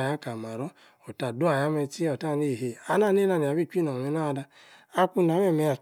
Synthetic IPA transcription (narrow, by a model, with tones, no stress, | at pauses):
ja˨˦ka˨ma˨ɾɔ˦ | o˨ta˨du˦a˨ja˦mɛ˧t͡ʃi˦o˨ta˦˨ne˦˨ɦe˧˨a˦na˦˨ne˦na˧˨ni˨a˨bi˦˨k͡pi˦nɔ˨ɛ˧na˦˧da˧ | a˧ku˧n˨a˨˦mɛ˦˨mɛ˧a˨